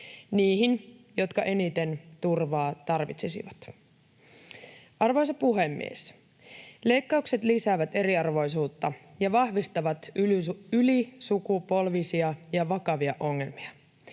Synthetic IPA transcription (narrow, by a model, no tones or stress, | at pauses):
niːɦinjo̞t̪kɑʔe̞nit̪e̞nt̪urʋɑːt̪ɑrʋḭt̪sesḭʋɑt̪ | ʔɑrʋo̞js̬ɑpuɦe̞mːḭḛs | le̞jkːɑukset̪lisæːʋæt̪e̞ɾiɑrʋo̞jsuːt̪ːɑjɑʋɑhʋist̪ɑʋɑt̪ | ylisukupo̞lʋisiɑjɑʋɑkɑʋiɑʔo̞ŋːe̞lmiɑ